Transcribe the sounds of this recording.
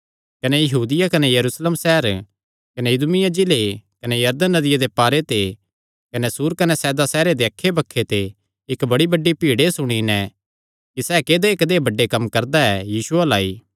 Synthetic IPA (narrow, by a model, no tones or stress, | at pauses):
kɐnɛjɐɦuːd̪ɪjakɐnɛjɐɾuːslemsɛːɦɾ | kɐnejʊd̪ʊmɪjãd͡ʒɪlekɐnejɐɾd̪ənːɐd̪ɪjad̪epaːɾet̪e | kɐnɛsuːɾkɐnɛsɛːd̪asɛːɾed̪eɐkʰːebɐkʰːet̪e | ɪkbɐɽibɐɖːipiːɽesʊɽ̃inɛ̃ | kisɛːkeːd̪eːkd̪eːbɐɖːekɐmkɐɾd̪aɛjiːsʊalaːiː